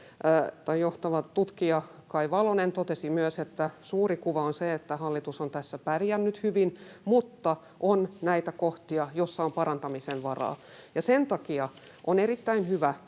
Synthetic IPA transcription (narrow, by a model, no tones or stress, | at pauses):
t̪ɑijjoht̪ɑʋɑtt̪ut̪kiɑkɑiʋɑlonent̪ot̪esimyøset̪ːæsuːrikuʋɑonseet̪ːæhɑlːit̪usont̪æsːæpærijænːyt̪hyʋinmut̪ːɑ | ʔonnæit̪ækoht̪iɑjosːɑompɑɾɑnt̪ɑmisenʋɑrɑ̰ːjɑsent̪ɑkiɑ | ʔonerit̪ːæinhyʋæ